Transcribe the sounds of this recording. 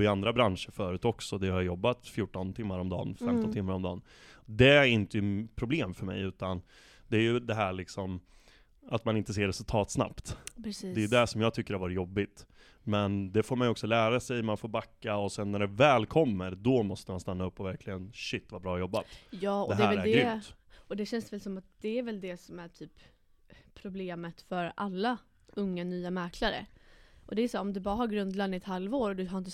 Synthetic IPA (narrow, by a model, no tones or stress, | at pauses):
ɪand̪ɾabɾanʂəɾfœːɾʉ̟ːt̪ɔksɔd̪ɛhaɾjajɔbːat̪fjuːʈːɔnt̪ʰɪmːaɾɔmd̪ɑ̰ːnfɛmt̪ɔnt̪ʰɪmːaɾɔmd̪ɑ̰ːn | d̪ɛɾɪnt̪əjɵpʰɾʊbleːmfœɾmɛ̰jʉ̟ːt̪an | d̪ɛæːɾjɵd̪ɛɦæːɭɪksɔm | at̪manɪnt̪əs̬eːɾɛsɵlt̪ʰɑːt̪sna̰pt̪ːd̪ɛjɵd̪ɛʂɔmjɑːɡt̪ʰʏkːəɾhaɾvɑːɾɪt̪jɔbːɪt̪ | mɛnd̪ɛfoːɾmanjɔksɔlæːɾasɛjmanfoːɾbakːaɔsɛnːæɖɛvɛːlkʰɔmːəɾd̪ɔmɔst̪əmanst̪anːaɵpːɔvæɾkʰlɪɡənɕɪt̪ːvabɾɑːjɔbːat̪jɑːɔd̪ɛɦ̪ɛɛvɛlɾɛɾd̪ɛɾʏt̪ | ɔd̪ɛɕɛnsvɛlsɔmat̪̚d̪̥ɛæɾvɛld̪ɛsɔmæʈʰyːp | pʰːɾʊbleːmət̪fœɾalːa | ɵŋːanyːamɛɾkʰlaɾə̰ʔɔd̪ɛːsaːɾɔmd̪ɵbɑːɾaɦaɾɡɾɵnd̪lanːɪɛt̪halvoːɾɔd̪ɵɦaɾɪnt̪ə